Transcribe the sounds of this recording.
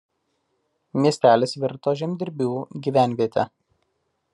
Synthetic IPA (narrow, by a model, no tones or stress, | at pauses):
mʲiɛsʲt̪ʲæːlʲeːsʋʲɪɾt̪oːʒʲɛmʲd̪ʲɪɾʲbʲuːɡʲiːʋʲæˑnʲʋʲiɛt̪ʲɛ